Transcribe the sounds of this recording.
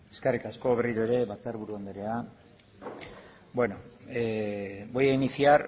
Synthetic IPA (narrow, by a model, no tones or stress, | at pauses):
e̞skarikasko̞βe̞riɾueɾe̞βat͡saɾβuɾuaond̪eɾea | bwe̞no̞ | bojainisiar